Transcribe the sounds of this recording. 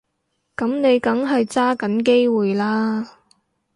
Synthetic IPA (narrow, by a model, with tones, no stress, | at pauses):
kɐ˨˥mne˨˧jkɐ˨˥ŋɦɐ˨jt͡saː˥kɐ˨˥nke˥jwuː˨jlaː˥